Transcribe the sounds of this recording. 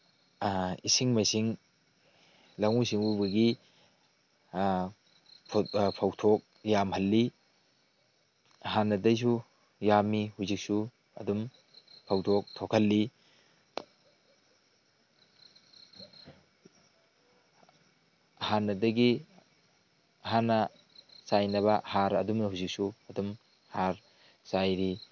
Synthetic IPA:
isiŋmɐsiŋ | lɐŋusiŋbubɐɡi | pʰpʰawtʰok̚ | jamhɐlːi | ɐɦanːɐdɐs̬u | jamihuzik̚su | ɐ̰dum | pʰawtʰok̚tʰokʰɐlːi | hanːɐdɐɡi | ɦanɐ | sajnɐβɐhaɾɐdumnɐhuzik̚suɐdum | haɾ | sajɾi

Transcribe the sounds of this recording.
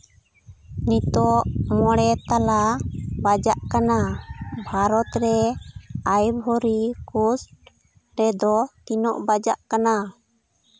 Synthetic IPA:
nit̪ɔʔmɔɽɛt̪alabad͡ʒaʔkanabʱaɾɔt̪ɾɛ | ajbʱɔɾikusʈ | ɾɛd̪ɔt̪inɔʔbad͡ʒaʔkana

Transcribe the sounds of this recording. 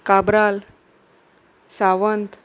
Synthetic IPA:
kabɾal | saʋənt̪

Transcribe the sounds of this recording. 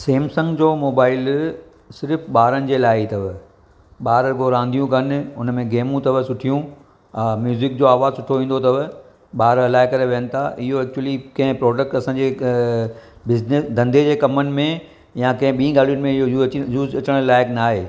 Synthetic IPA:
seːmsɐ̃ŋɡd͡ʑoːmoːbaːɪl | sɪɾəfɓaːɾənɪ̆d͡ʑeːlaːɪt̪ɐʋ | ɓaːɾəɡoɦɾãːn̆d̪ijũkɐnʊnmẽɡeːmũt̪ɐʋəsʊʈʰijũ | mjuːzɪk̚d͡ʑoaːʋaːzsʊʈʰoʋĩːn̆d̪ot̪ɐʋ | ɓaːɾɐlaːɪkɐɾeʋeːənɪ̆t̪ʰaʔɪɦoɛːk̚t͡ɕuəlikɐ̃ɦɪ̃pɾɔːɖək̚ʈɐsãːɲd͡ʑe | bɪznɪsd̪ʱɐ̃nd̪ʱed͡ʑeːkɐmənɪ̆mẽ | jãkɐ̃ɦɪ̃ɓiĩɡaːl̤ijʊnɪmẽɪɦojuːzɐt͡ɕəɽ̃laːɪknaːɦeː

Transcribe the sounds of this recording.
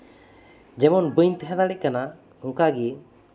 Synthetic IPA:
d͡ʒɛmɔnbəɲt̪ɛɦɛ̃d̪aɽikana | uŋkaɡi

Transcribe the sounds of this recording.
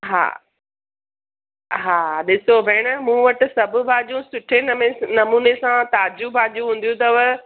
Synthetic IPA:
ɦa̰ː | ɦaːɗɪsobʱeːɽ̃mũːʋɐʈɪ̆sɐbʱʊ̆bʱaːʄũsʊʈʰenmenɐmuːnesãt̪aːd͡ʑubʱaːd͡ʑũɦũːn̆d̪jũt̪ɐʋ

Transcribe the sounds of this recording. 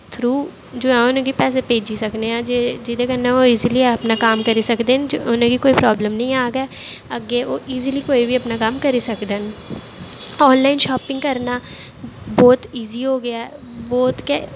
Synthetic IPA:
t̪ʰɾuː | d͡ʒoːɛ̃ːʊnẽkipɛːs̬epeːd͡ʒisəkneãːd͡ʒed͡ʒɪd̪ekəɾnɛ̃oːiːzilieəpnaːkaːmkəɾisəkd̪eːnd͡ʒoʊnẽkikoːipɾɔːbləmnɐ̃ĩaːɡəɛəɡeːoːʔiːziliːkoːibʱiəpnakaːmkəɾisəkd̪en | ɔːnlaːɪnʃaːpɪ̃ŋɡkəɾnaː | bɔːt̪iːziɦoːɡɪjaːɛ | bɔːt̪kɛ

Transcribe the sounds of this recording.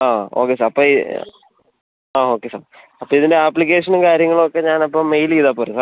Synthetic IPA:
aːo̞ːkːesaːɾɐpːoːi | aːoːkːesa̰ːɾ | ɐpːoiðindeaːpːlik̬eːʂɐnumkaːɾjɐŋːɐɭokːe̞ɲaːnɐpːoːmːejliːðapːoɾɐsa

